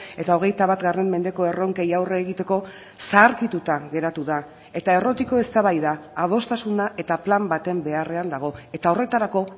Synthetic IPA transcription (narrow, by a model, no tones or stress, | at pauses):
e̞t̪ao̞ɣ̞e̞jt̪aβat̪ɡare̞mme̞nd̪e̞ko̞e̞ro̞ŋkejawreːɣit̪e̞ko̞ | saːɾkit̪ut̪aɣe̞ɾat̪uða | e̞t̪ae̞ro̞t̪iko̞e̞st̪aβajðaːðo̞st̪asunaʔe̞t̪aplambat̪e̞mbe̞are̞and̪aɣ̞o̞e̞t̪ao̞re̞t̪aɾako̞